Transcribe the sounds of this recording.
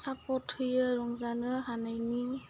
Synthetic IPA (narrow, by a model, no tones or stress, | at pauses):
sapɔtʰhɯjɯɾɔŋzanɯɦanajni